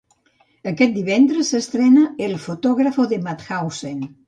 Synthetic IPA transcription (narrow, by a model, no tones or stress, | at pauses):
əkɛt̪̚d̪iβɛnd̪ɾəsːest̪ɾɛnaelˠfot̪ɔɣɾafoðemat̪xawsen